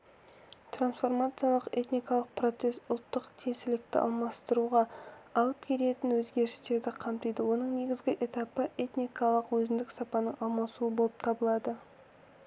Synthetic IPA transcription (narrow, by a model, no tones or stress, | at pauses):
t̪ɾansfo̞rmat̪sɨjalˠəqe̞t̪nijkɑlˠəq̚pro̞t̪se̞sʊlˠt̪ːəqt̪ʰesɪlɪk̚t̪ɪ̰ʔɑ̰lˠmɑst̪əɾuʁɑɑlˠəp̚kʲʰe̞le̞t̪ɪnwɵzɡʲe̞ɾɪst̪e̞ɾd̪ɪqʰɑmt̪əjd̪əwo̞nəɴne̞ɡʲɪzɡʲɪʔe̞t̪apəʔe̞t̪nijkɑlˠəqwɵzɪnd̪ɪksɑpɑnəɴɑlˠmɑsuəbolˠəp̚t̪ʰɑbəlˠɑd̪ə